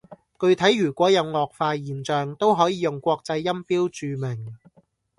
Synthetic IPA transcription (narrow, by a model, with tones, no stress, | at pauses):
kɵ˧ɥt̪ʰɐ˨˥jːyː˨˩kʷɔː˨˥jɐ˨˧wŋɔː˨k̚faː˧jiː˨nt͡ʃœː˨ŋt̪o˥wɦɔː˨˥jiː˨˧jʊ˨ŋkʷɔː˧k̚t͡sɐ˧jːɐ˥mpiː˥wt͡ʃyː˨˧mɪ˨˩ŋ